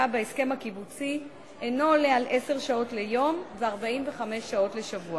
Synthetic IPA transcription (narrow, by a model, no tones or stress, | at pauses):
abeeske̞mhakibut͡si | ʔeno̞ːlealʔe̞se̞ʁʃao̞tle̞jo̞mveaʁbaimveχame̞ʃːao̞tle̞ʃavua